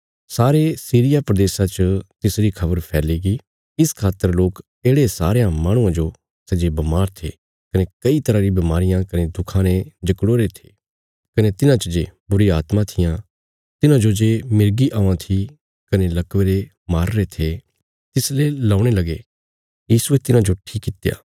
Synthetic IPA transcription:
saːɾesiːɾɪjapɾɐd̪eːsat͡ʃət̪ɪsɾikʰɐbəɾpʰɛːliɡi | ɪskʰaːt̪ːəɾloːk | eːɽesa̰ːɾejãmaːɽ̃ũãd͡ʒo | sɐd͡ʒebɐmaːɾt̪ʰḛ | kɐnekɐit̪ɐɾaɾibɐmaːɾɪjãkɐned̪ʊkʰãnẽd͡ʒɐkɽoːɾet̪ʰe̥ː | kɐnet̪ɪnãt͡ʃəd͡ʒeːbʊɾiaːt̪mãt̪ʰɪjã | t̪ɪnãd͡ʒod͡ʒeːmɪɾɡiʔaːãt̪ʰi | kɐnelɐkʋeɾe | maːɾːet̪ʰe | t̪ɪslelaːʊɽ̃elɐɡe | jiːsuet̪ɪnãd͡ʒoʈʰiːkːɪt̪eja̰ː

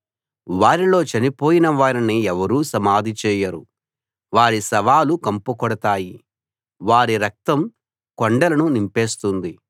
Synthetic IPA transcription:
ʋaːɾilo̞ːt͡ʃɐnipo̞ːjinɐʋaːɾiniɛʋɐɾuːsɐmaːd̪ʱit͡ʃɛːjɐɾu | ʋaːɾisɐʋaːlukɐmpukɔɽɐt̪aːji | ʋaːɾiɾɐk̚t̪ɐm | kɔɳɖɐlɐnunimpeːst̪und̪i

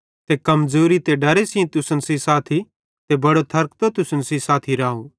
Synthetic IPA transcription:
t̪ekɐmd͡zoːɾit̪eɖɐɾesĩt̪ʊsənsisaːt̪ʰi | t̪ebɐɽot̪ʰɐɾk̚t̪ot̪ʊsənsisaːt̪ʰiɾaːɦũ

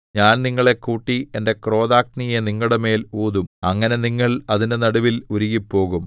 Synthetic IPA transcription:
ɲaːnniŋːɐɭe̞kːuːʈːie̞nde̞kro̞ːðaːk̚nijeniŋːuɽeme̞ːluːðumɐŋːɐne̞niŋːɐɭɐðindenɐɽuʋiluɾuɣipːo̞ːɣum

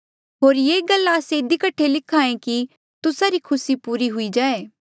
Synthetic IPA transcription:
ɦoːɾjeːɡɐlːaːseɪd̪ikɐʈʰːelɪkʰːaːẽki | t̪ʊsaɾikʰʊsipuːɾiɦʊid͡ʒaːeː

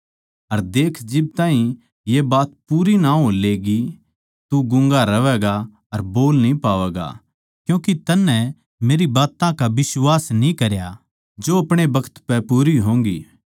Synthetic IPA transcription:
ɐɾd̪eːkʰd͡ʒɪb̚t̪ãːɦĩ | jebaːt̪puːɾinaːoleːɡi | t̪uɡʊ̃ŋɡaɾɐʋɛːɡa | ɐɾboːlnĩpaːʋɛːɡa̰ | kjũːkit̪ɐnːɛ̃ | meːɾibaːt̪ãkaʋɪswaːsnĩkɐɾja | d͡ʒoɐpɽ̃ebɐkʰə̥t̪pɛpuːɾiɦõːŋɡḭː

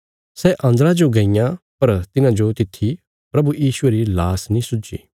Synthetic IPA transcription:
sɛʔɐ̃nd̪ɾad͡ʒoɡɐɪjãpɐɾt̪ɪnãd͡ʒot̪ɪt̪ʰːi | pɾɐbujiːsʊeɾilaːsnĩsʊd͡ʒḭː

